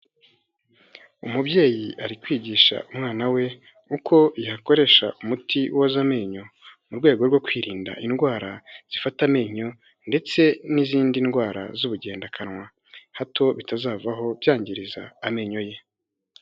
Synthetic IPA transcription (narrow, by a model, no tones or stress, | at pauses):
umubɟe̞ːjiʔaɾikwiːɟiːʃa̰ʔumŋaːnawe̞ | ukʰo̞ihako̞ɾe̞ʃaʔumutʰiwozame̞ːɲo̞muɾɡwe̞ːɡo̞ɾɡwo̞kwiːɾiːnda̰ʔinɡwaːɾaz̥ifatame̞ːɲo̞ | nde̞t͡se̞niziːndinɡwaːɾa̰zuβuɟe̞ːndakʰanŋwa | hatʰo̞βitazaːvaɦo̞bjaːɲɟiɾiza̰ːme̞ɲo̞je̞